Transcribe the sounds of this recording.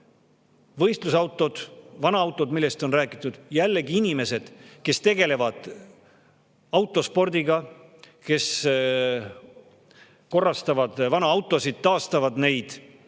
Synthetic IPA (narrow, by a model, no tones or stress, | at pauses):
vɤ̞jst̪lusɑwt̪ːˑo̞d̪̥vɑnɑɑwt̪ːˑo̞d̪milːe̞st̪o̞nræːkːˑit̪ˑːud̪̥jælːeɡiinime̞se̞d̪̥ke̞st̪e̞ɡe̞le̞vɑd̪̥ | ɑwt̪ːˑo̞spo̞rd̪̥iɡɑke̞s | ko̞rːɑst̪ɑvɑd̪̥vɑnɑɑwt̪ːˑo̞sid̪̥̚t̪ːɑːst̪ɑvɑd̪ne̞jd̪̥